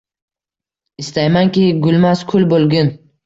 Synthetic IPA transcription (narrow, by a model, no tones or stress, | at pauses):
ɪst̪ajmaŋkʲiɡʊlmaskʰʊlbolˠɡʲʊn